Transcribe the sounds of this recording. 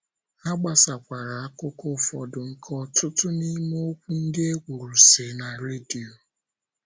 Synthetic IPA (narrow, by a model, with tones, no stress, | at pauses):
a˦ɡ͡ba˦˨sa˨kʷa˨ɾa˨a˦kʊ˦ko˦fɔ˨dʊ˨ŋ̩˦kʰɔ˦tʊ˦tʊ˦ni˦mo˦o˦kʷu˦n̩˦dɪ˦e˦ɡʷu˨ɾu˨se˨na˨ɾe˦di˨o˨